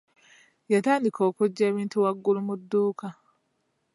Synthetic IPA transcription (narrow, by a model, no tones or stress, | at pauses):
jataːndikʰo̞ːkuɟːe̞ːβiːntuwaɡːulumudːuːka